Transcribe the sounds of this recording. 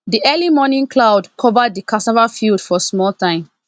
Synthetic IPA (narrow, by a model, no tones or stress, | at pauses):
diʔɛlimɔnĩnkʰlaʊdkʰɔvəd̚dikʰasavafildfɔsmɔltãɪ̃m